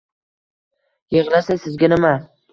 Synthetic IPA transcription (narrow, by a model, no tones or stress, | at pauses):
jɨʁlasasɪzɡʲanɪma